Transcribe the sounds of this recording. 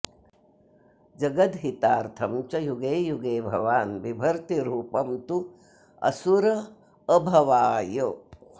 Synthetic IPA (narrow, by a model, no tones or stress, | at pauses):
d͡ʒɐɡɐt̪ɦit̪aːɾt̪ʰɐmt͡ʃɐjuɡeːjuɡeːbʱɐ̰ʋaːnbibʱɐɾt̪iɾuːpɐmt̪u | ɐ̰suɾɐː | bʱɐʋaːjɐ